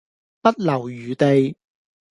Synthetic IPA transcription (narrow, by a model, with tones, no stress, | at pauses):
pɐ˥t̚lɐ˨˩wjyː˨˦t̪e˨˧j